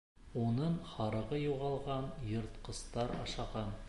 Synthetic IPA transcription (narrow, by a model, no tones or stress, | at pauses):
onɤɴχɑɾɤ̆ʁɤjuʁɑlˠʁɑnjɤ̆ɾt̪qɤ̆st̪ɑɾɑ̰ʃɑʁɑn